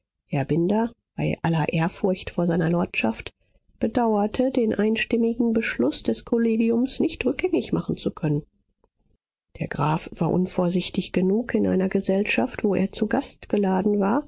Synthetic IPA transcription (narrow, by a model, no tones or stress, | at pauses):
hɛɐbɪndɐ | b̥aɪʔalɐʔeːɐfʊɐçtfoːɐzaɪnɐlɔɐtʃaft | b̥ədaʊɐtʰədeːnʔaɪnʃtɪmɪɡŋ̩bəʃlʊsd̥ɛskʰoleːɡiʊmsnɪçtʁʏk̚ɡ̥ɛŋɪçmaχn̩t͡sukʰœnən | d̥eːɐɡʁaːfv̥aːɐʔʊnfoːɐzɪçtɪçɡ̥ənuːkɪnʔa̰ɪnɐɡəzɛlʃaftv̥oːʔḛːɐt͡suɡastɡ̥əlaːdn̩vaːɐ